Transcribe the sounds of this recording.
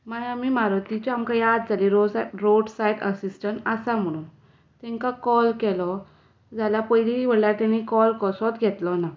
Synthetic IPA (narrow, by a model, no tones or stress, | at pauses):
maɦamimaɾɔt̪it͡ɕɔamkajad̪̚d͡zʱaliɾoɾoɽsajʈəsisʈəɳʈasam̤əɽ̃uːn | t̪ɛ̃ŋkakɔlkɛlɔ | d͡zalapəjliɦiʋəɽljaɾt̪anikɔlkɔsɔt̪ɡʱɛt̪lɔna